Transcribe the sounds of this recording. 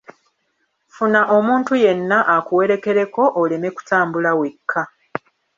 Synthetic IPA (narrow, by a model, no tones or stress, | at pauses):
funaʔo̞muːntuje̞nːaʔakuwe̞ɾe̞ke̞ɾe̞ko̞ʔole̞me̞ku̥taːmbulawekʰːa